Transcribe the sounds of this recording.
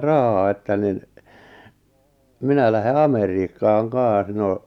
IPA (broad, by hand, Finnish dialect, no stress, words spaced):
rɑhɑː etːæ nin minæ læhe ɑmeriːkːɑːŋ kɑːɑ̃s no